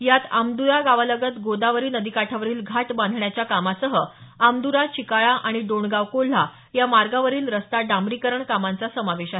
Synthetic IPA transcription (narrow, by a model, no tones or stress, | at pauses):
jat̪amd̪ujaɡaʋaləɡət̪ɡod̪aʋəɾiːnəd̪ikaʈʰaʋəɾiːlɡʱaʈbãnd̪ʱɳjat͡ɕjakamasəɦəamd̪uɾat͡ɕikaɭaʔaɽ̃iɖoɳɡaʋkol̤ːa | jamaɾɡaʋəɾiːlɾəst̪aɖamɾikəɾəɳkamant͡sasəmaʋeɕaɦe